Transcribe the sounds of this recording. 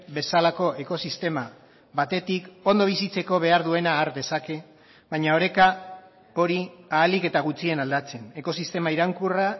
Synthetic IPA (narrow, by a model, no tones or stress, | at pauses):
be̞salako̞ʔe̞ko̞sist̪e̞ma | βat̪e̞t̪iko̞nd̪o̞β̞isit͡se̞ko̞β̞e̞aɾðue̞naːɾd̪e̞sake̞ | βajɲao̞ɾe̞ka | o̞ɾiaːlike̞t̪aɣ̞ut͡sie̞nald̪at͡se̞ne̞ko̞sist̪e̞maiɾaŋkura